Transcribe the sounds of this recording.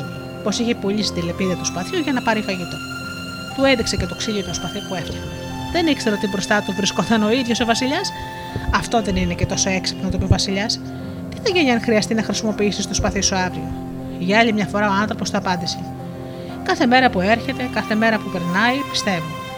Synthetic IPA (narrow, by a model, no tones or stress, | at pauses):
po̞siçepoʎisi̥t̪ile̞piðiɐt̪uspɐθçuʝɐnɐpɐɾifɐʝit̪o̞ | t̪ue̞nðikse̞ce̞t̪o̞ksiʎot̪uspɐθipue̞ft̪enɐ | ðe̞nikseɾoot̪ibɾo̞st̪ɐt̪uvɾiskot̪ɐno̞iðʝo̞so̞vɐsiʎɐs | ɐft̪o̞ðe̞ninecet̪o̞so̞e̞ksi̥pnot̪opiovɐsiʎɐs | ceðeʝeɲɐnxɾiɐst̪inɐxɾisimo̞piisist̪ospɐθisuɐvɾio | ʝɐɐʎimɲɐfo̞ɾɐo̞ɐnθɾo̞po̞st̪oɐpɐnd̪isi | kɐθe̞me̞ɾɐpue̞ɾçe̞t̪e̞kɐθe̞me̞ɾɐpupe̞ɾnɐipi̥st̪e̞vu